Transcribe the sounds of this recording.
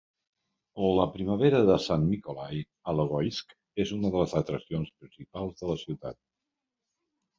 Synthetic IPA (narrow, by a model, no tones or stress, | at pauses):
oləpɾiməβeɾəðəsanːikolaj | ələɣ̞ɔjsk | ezunəðələzət̪ɾəsionspɾinsipalˠzðələsiwt̪a̰t̪̚